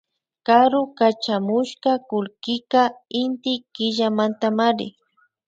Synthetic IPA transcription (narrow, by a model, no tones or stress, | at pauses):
kaɾʊkat͡ʃamʊʃkakʊlkɪkaɪnt̪ɪkɪʒamant̪amaɾɪ̰